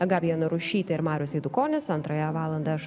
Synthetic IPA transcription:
ɐɡɑpʲjiɛnʊɾʊʃʲiːt̪ɐɪɾmɑːɾʲoːsɛɪd̪ʊkoːnʲɪsɐnt̪ɾɐjɛʋɑːlˠɐnd̪ɐɐʃ

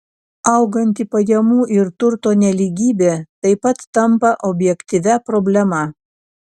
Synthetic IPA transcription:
ɐʊɡɐnʲt̪ʲipɐjɛmuːʔɪɾt̪ʊɾt̪oːnʲɛlʲiːɡʲiːbʲeːt̪ɐɪpɐt̪ːɐmpɐʔɔbʲjɛkʲt̪ʲiʋʲæpɾoːbʲlʲɛmɑ

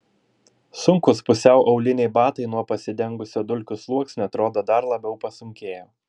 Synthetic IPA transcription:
sʊŋkʊspʊsʲɛʊʔɐʊlʲɪnʲɛɪbɑːt̪ɐɪnuɔpɐsʲɪd̪ʲɛŋɡʊsʲoːd̪ʊlʲkʲʊslˠuɔksnʲɛt̪ɾoːd̪oːd̪ɐɾlˠɐbʲɛʊpɐsʊŋʲkʲeːjoː

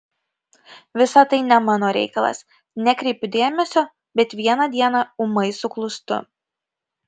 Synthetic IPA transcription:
ʋʲɪsɐt̪ɐɪnʲɛmɑːnoːɾʲɛ̰ɪkɐlˠɐ̰s | nʲɛkɾʲɛɪpʲɪd̪ʲeːmʲɛsʲoː | bʲɛt̪ʋʲiɛnɐd̪ʲiɛnɐʊmɐɪsʊklˠʊst̪ʊ̰

